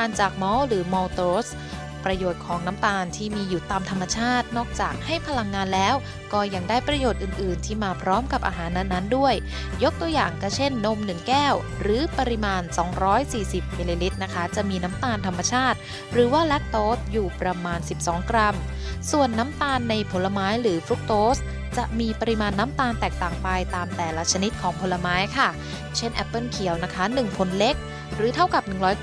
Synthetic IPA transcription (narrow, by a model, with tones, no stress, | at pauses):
aː˧nt͡ɕaː˨˩k̚mɔː˦˥ɾɯː˩˦mɔː˧t̪oː˦˥s | pɾa˧joː˨˩t̪̚kʰɔː˩˦ŋna˦˥mt̪aː˧nt̪ʰiː˥˩miː˧juː˨˩t̪aː˧mt̪ʰa˧mːa˧t͡ɕʰaː˥˩t̪̚nɔː˥˩k̚t͡ɕaː˨˩k̚ha˥˩jpʰa˧la˧ŋːaː˧nlɛː˦˥w | kɔː˥˩ja˧ŋdaː˥˩jpɾa˧joː˨˩t̪̚ʔɯː˨˩nʔɯː˨˩nt̪ʰiː˥˩maː˧pʰɾɔː˦˥mka˨˩p̚ʔa̰ː˧ɦaː˩˦nːa˦˥nːa˦˥ndu˥˩əj | jo˦˥k̚t̪u˧əja̰ː˨˩ŋka˥˩t͡ɕʰe˥˩nːo˧mnɯ˨˩ŋkɛː˥˩w | ɾɯː˩˦pa˧ɾi˧maː˧nsɔː˩˦ŋɾɔː˦˥jsiː˨˩si˨˩p̚mi˧liː˧li˦˥t̪̚na˦˥kʰa˦˥t͡ɕa˨˩miː˧na˦˥mt̪aː˧nt̪ʰa˧mːa˧t͡ɕʰaː˥˩t̪̚ | ɾɯː˩˦waː˥˩lɛ˦˥t̪̚t̪oː˦˥t̪̚juː˨˩pɾa˧maː˧nsi˨˩p̚sɔː˩˦ŋkɾa˧m | su˨˩ənːa˦˥mt̪aː˧nːa˧jpʰo˩˦nlːa˧maː˦˥jɾɯː˩˦fɾu˦˥k̚t̪oː˦˥s | t͡ɕa˨˩ʔmiː˧pa˧ɾi˧maː˧nːa˦˥mt̪aː˧nt̪ɛː˨˩k̚t̪aː˨˩ŋpa˧jt̪aː˧mt̪ɛː˨˩la˦˧˥t͡ɕʰa˧ni˦˥t̪̚kʰɔː˩˦ŋpʰo˧˥lːa˧maː˦˥jkʰa˥˩ | t͡ɕʰe˥˩nʔɛ˦˥pːɤː˥˩nkʰi˩˦əwna˦˥kʰa˦˥nɯ˨˩ŋpʰo˧˥nle˦˥k̚ | ɾɯː˩˦t̪ʰa˥˩wka˨˩p̚nɯ˨˩ŋɾɔː˦˥j